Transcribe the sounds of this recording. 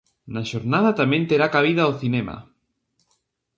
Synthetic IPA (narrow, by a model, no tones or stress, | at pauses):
naʃoɾnað̞at̪amẽnt̪eɾakaβ̞iðaoθinema̰